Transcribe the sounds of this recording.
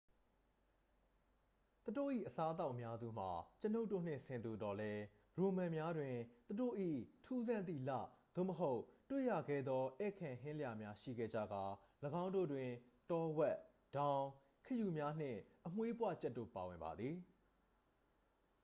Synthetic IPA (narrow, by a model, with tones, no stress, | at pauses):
t̪u˨do̰˦˨ʔḭ˦˨ʔəsa˦ət̪̬a˦ʊʔəmja˦zṵ˦˨m̥a˨t͡ɕəno˦ʊtːo̰˦˨n̥ɪ̰̃˦˨sʰɪ̃˨nd̪u˨tɔ˨lɛ˦ | ɹo˨mã˨mja˦dwɪ̃˨t̪u˨ɾo̰˦˨ʔḭ˦˨tʰu˦zã˦˨nt̪ḭ˦˨la̰˦˨d̪̥o̰˦˨məɦo˦ʊʔtwḛ˦˨ja˨ɡɛ˦˨d̪ðɔ˦ʔɛ˦˨kʰã˨ɦɪ̃˦lə˦ja˨mja˦ʃḭ˦˨ɡɛ̰˦˨d͡ʑä̰˦˨ɡa˨ləɡã˦ʊ̃ndo̰˦˨dwɪ̃˨tɔ˦wɛ˦ʔ | d̥ã˦ʊ̃ | kʰə˨ju˨mja˦n̥ɪ̰̃˦˨ʔəm̥we˦pwa̰˦˨t͡ɕɛ˦tːo̰˦˨pa̰˨wɪ̰̃˨mba̰˨d̪ði˨